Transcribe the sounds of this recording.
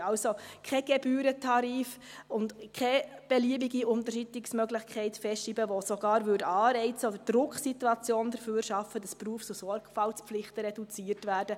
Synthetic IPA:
ɑʊsokʰɛɡ̥ɛbyːɾətʰɑɾiːfʊndkʰɛb̥ɛliəbiɡiʊntəɾʃitɪksmœɡlɪχkχɛɪtfɛstiːbəʋosoɡ̥ɑːɾvʏdɑːɾɛɪt͡səɔdəɾd̥ɾʊkχsituɑt͡sjoːnd̥əɾfyːɾʃɑfəd̥ɑspruəft͡susɔrkfɑlspflɪχtəɾɛdut͡siːəɾtʋæːrd̥ə

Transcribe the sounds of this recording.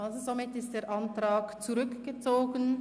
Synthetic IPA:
ʔalzozomɪtɪstd̥eːɾʔantʁaːkt͡suʁʏkɡ̥ət͡soːɡən

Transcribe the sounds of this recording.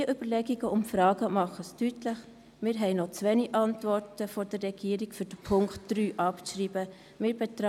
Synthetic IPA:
iəʔyb̥əɾlɛɡiɡəʊmfɾɑːɡəmɑχəstytləχ | mɪːɾɦɛɪnɔt͡sʋɛniʔɑntvɔɾtəfoɾdərːɛɡ̥iːəɾɪkfyɾd̥əpʰʊŋktd̥ryːʔɑpʃriːb̥ə | mɪːɾb̥et̪ɾ

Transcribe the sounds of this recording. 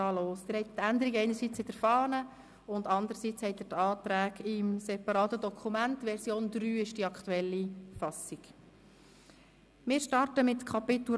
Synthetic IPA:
ɑːloːsd̪ɪːɾhɛɪt̪ːænd̪əɾiɡɛɪnəɾsit͡shɛtɛɾfɑːnə | ʊndɑnd̪əɾsiːt͡shɛɪt̪ɪɾtɑːt̪ɾæːɡɪmsɛpɑɾɑːt̪ədɔkʰumæntʋɛɾsjoːnd̪ɾyːɪʃd̥iɑkχtuɛlːifɑsiɡ̥ | mɪːɾʃtɑrtəmɪtkʰɑpɪt̪u

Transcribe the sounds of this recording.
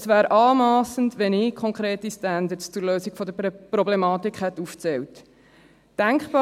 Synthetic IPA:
svæːɾʔɑːlmɑːsən̩tʋɛnɪːkʰɔŋkχɾeːtistænd̪əst͡sʊɾløːsiɡ̥fɔd̪əɾprɔblɛmɑːtikχhɛtːuft͡sɛwt | d̥æŋkχb̥ɑː

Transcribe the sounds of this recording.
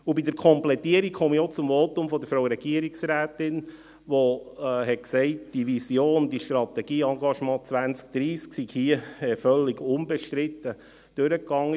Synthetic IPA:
ubidəɾkʰɔmplɛtiəɾikχɔmiot͡sʊmvoːtʊmfɔd̪əfɾowəɾɛɡiəɾiksɾæːtɪn | ʋohɛtksɛɪtd̥iʋisjoːnd̪iʃtɾɑt̪ɛɡ̥iːɑŋɡɑʃmɑ̃ːt͡sʋænt͡sk̚d̥ɾiːsksiɡ̥hiəɛfœlːiɡʊmbɛʃt̪ɾɪt̪ːə | d̥øɾəkːɑŋːə

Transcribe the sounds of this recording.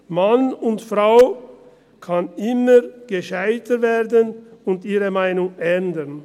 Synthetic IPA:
manʊntfʁaʊ | kʰanɪməɡ̥əʃaɪtəveːɐdənʊntiːʁəmaɪnʊŋʔɛndən

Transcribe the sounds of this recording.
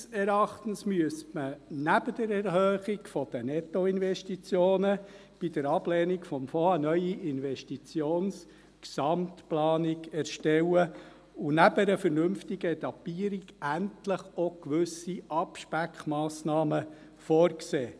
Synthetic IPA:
sɛɾɑχt̪ən̩smyəstmənæb̥əd̥̪əɾɛɾɦøːχiɡfɔd̥̪ənɛt̪ːɔɪnvɛʃtit͡sjoːnə | b̥id̪əɾɑb̥lɛːnikfɔmfoənœʏiʔɪnʋɛʃtit͡sjoːns | ksɑmtplɑːniɡɛɾʃtɛwə | ʊnæbəɾəfəɾnʏmftiɡəɛt̪ɑpiːəɾiɡæntləχɔkʋʉsiʔɑpʃpækχmɑːsnɑːmə | fɔːɾkseː

